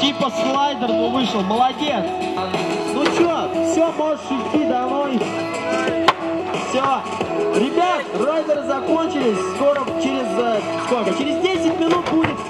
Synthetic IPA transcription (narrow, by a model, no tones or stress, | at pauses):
tʲipəslˠajd̪ʲərvʊvɨʂlˠəməlˠɐdʲet̪s | nut͡ɕofsʲomoʐtʂʊsʲtʲid̪ɐnoj | fsʲo | ɾʲɪbʲat̪rojd̪ʲəɾɨzɐkonʲt͡ɕɪlʲɪsʲskoɾət͡ɕeɾʲɪz | skolʲkət͡ɕɪɾʲɪzdʲesʲɪt̚ʲmʲɪnut̪̚budʲɪt̪